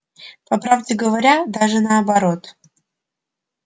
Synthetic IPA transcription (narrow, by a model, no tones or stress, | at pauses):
pɐpɾavdʲɪɡəvɐɾʲad̪aʐɨnəɐbɐɾot̪